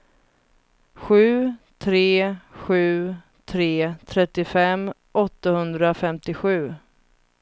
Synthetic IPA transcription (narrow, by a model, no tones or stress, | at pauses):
ɧʉ̟ːt̪ʰɾeːɧʉ̟ː | t̪ʰɾeːt̪ʰɾɛt̪ːɪfɛm | ʔɔt̪ːahɵnd̪ɾafɛmt̪ɪɧʉ̟ː